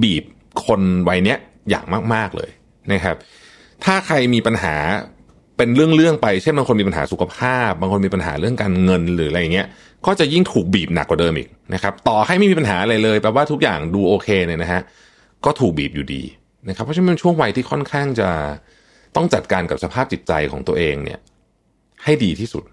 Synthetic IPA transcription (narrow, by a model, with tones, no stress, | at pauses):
biː˨˩p̚ | kʰo˧nwa˧jni˦˥ɐ | ja̰ː˨˩ŋmaː˥˩k̚maː˥˩k̚lɤ̰ː˧j | na˦˥kʰa˦˥p̚ | t̪ʰaː˥˩kʰa˧jmiː˧pa˧nɦa̰ː˩˦ | pe˧nɾɯ˥˩əŋɾɯ˥˩əŋpa˧jt͡ɕʰe˥˩nbaː˧ŋko˧nmi˧pa˧nɦaː˩˦su˨˩kʰa˧pʰaː˥˩p̚baː˧ŋkʰo˧nmiː˧pa˧nɦa̰ː˩˦ɾɯ˥˩əŋkaː˧nŋɤ˧nɾɯː˩˦ɾa˧ja˨˩ŋi˦˥ɐʔ | kɔː˥˩t͡ɕa˨˩ji˥˩ŋt̪ʰuː˨˩k̚biː˨˩p̚na˨˩kːwa˨˩dɤː˧mʔḭː˨˩k̚na˦˥kʰa˦˥p̚t̪ɔː˨˩ha˥˩jma˥˧miː˧pa˧nɦaː˩˦ʔa˧ɾa˧jlɤː˧jpɾɛː˧˩waː˥˩t̪ʰu˦˥k̚jaː˨˩ŋduː˧ʔoː˧kʰeː˧nɯ˧˩na˦˥kʰa˦˥ʔ | kɔː˥˩t̪ʰuː˨˩k̚biː˨˩p̚juː˨˩dḭː˧ | na˦˥kʰa˦pʰːe˧nt͡ɕʰu˥˩əŋwa˧jt̪ʰiː˥˩kʰɔ˥˩nkʰaː˥˩ŋt͡ɕa˨˩ | t̪ɔ˥˩ŋt͡ɕa˨˩t̪̚kaː˧nka˨˩p̚sa˧pʰaː˥˩p̚t͡ɕi˨˩t̪̚t͡ɕa˧jkʰɔː˩˦ŋt̪u˧əʔeː˧ŋnḭ˥˩ɐ | ha˥˩jdiː˧t̪ʰiː˥˩su˨˩t̪̚